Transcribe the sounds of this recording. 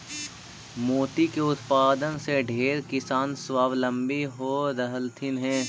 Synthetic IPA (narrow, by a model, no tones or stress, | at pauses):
moːt̪ikeʊt̪paːd̪ənseɖʱeːɾkɪsaːnswaːʋlə̃mbiɦoɾəɦəlt̪ʰɪnɦɛ̃ː